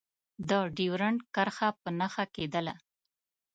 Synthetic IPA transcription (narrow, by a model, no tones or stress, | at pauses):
d̪əɖiwɾaɳkaɾxapənaxaked̪əla